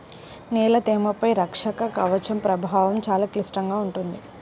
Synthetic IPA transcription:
nɛːlɐt̪eːmɐpɐjɾɐkʂɐkɐkɐʋɐt͡ʃɐmpɾɐbʱaːʋɐmt͡ʃaːlaːklisʈɐŋɡaːuɳʈund̪i

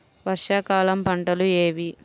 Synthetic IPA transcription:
ʋɐɾʂakaːlɐmpɐɳʈɐlueːʋi

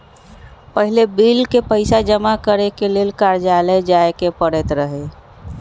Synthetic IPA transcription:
pəɦilebilkepəɪsad͡ʒəmakəɾekelelkaɾd͡ʒaled͡ʒaekepəɽɛt̪ɾəɦe

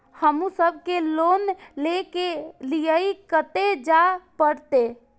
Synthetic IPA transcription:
həmusəbʱkelonlekelijəikət̪ed͡ʒapəɽt̪e

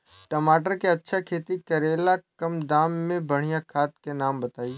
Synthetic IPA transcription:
ʈɐmaːʈəɾkeɐtːʃʰakʰeːt̪ikɐɾeːlakɐmd̪aːmːẽbɐɽ̤ijakʰaːt̪kenaːmbɐt̪aːiː

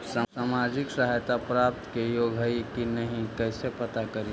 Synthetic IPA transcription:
sasamad͡ʒɪksəɦajt̪apɾap̚t̪kejoːɡʱɦəikinəɦĩkɛɪsepət̪akəɾi

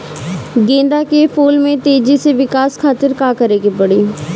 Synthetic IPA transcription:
ɡẽːnd̪aːkepʰoːlmẽːt̪eːd͡ʒiːseːʋɪkaːskʰaːt̪əɾkaːkəɾeːɡeːpəɽiː

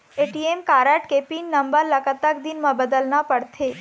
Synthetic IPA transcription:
eʈiemkaɾəʈkepinːəmbəɾləkət̪akd̪inmãbəd̪əlnapəɽt̪ʰe

